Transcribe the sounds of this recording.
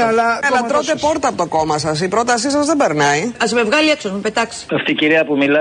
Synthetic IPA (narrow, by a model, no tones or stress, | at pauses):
ɐlɐɐɐt̪ɾot̪epo̞ɾt̪ɐːpo̞t̪oko̞mɐsɐs̬ipɾo̞t̪ɐsisɐzðe̞be̞ɾnɐiɐzme̞vɣɐlieksozmupet̪ɐkse̥ɐft̪iciɾiɐpumilɐ